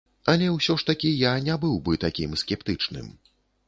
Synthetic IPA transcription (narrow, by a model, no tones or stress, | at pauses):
ɐlʲɛwsʲɔʂt̪ɐkʲijanʲabɨwbɨt̪akʲimskʲɛpt̪ɨt͡ʂnɨ̰m